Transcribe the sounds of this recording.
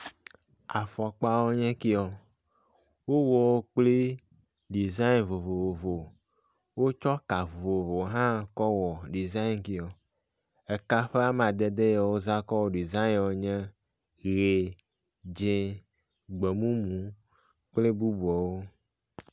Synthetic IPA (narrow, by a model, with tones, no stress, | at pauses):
a˨fɔ˨a˨k͡pa˦wo˦ɲɛ̃˦ki˦ɔ˨ | wo˦wɔ˨wo˦k͡ple˦ | ɖi˨za˦i˦nvo˨vo˨vo˨vo˨ | wo˦t͡ʃɔ˦ka˨vo˨vo˨vo˨ɦã˦kɔ˦wɔ˨ɖi˨za˦i˦nki˦ɔ˨ | ɛ˨ka˦ɸe˦a˦mã˨d̪ɛ˦d̪e˦ja˨wo˦za˦kɔ˦wo˦ɖi˨zã˦ĩ˦˨wo˦ɲɛ̃˦ | ɣe˨ | d͡ʒẽ˦ | ɡ͡be˨mũ˦mũ˨ | k͡ple˦bu˦bu˨ɔ˨wo˦